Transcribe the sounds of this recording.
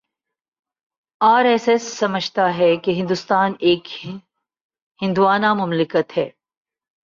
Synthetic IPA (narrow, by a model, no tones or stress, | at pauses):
aːɾɛːsɛsːɐməd͡ʒʱt̪aɦɛkeɦɪ̃nd̪ʊst̪aːneːk | hɪ̃nd̪uwaːnamʊmlɪkət̪hɛː